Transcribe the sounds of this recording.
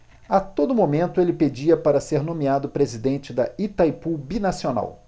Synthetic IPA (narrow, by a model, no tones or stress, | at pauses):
at̪od̪ʊmomẽnt̪ʊelɪped͡ʒiɐpaɾɐseɾnõmiad̪ʊpɾezid̪ẽnt͡ʃɪd̪ɐit̪ajpubinasiona̰w